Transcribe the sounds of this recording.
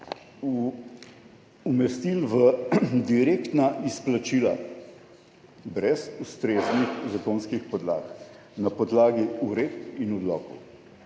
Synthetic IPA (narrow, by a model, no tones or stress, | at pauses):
u | mɛst̪ilʋəd̪iɾekt̪naʔisplat͡ʃiːla̰ | bɾɛsust̪ɾeːznixzakonskixpɔd̪la̰ːk | napɔd̪laːɡiuɾet̪inɔd̪lɔːkɔw